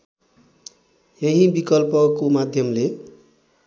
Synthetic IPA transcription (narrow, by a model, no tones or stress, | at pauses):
jeɦĩbikʌlpʌkomad̪ʱjʌmle